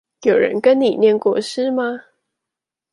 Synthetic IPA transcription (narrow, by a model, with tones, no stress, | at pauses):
jo˨˩ʊɻə̰˧˦nkə˦nni˨˩njɛ˥˧nkwɔ˥˩ʂɻ̩˥ma˧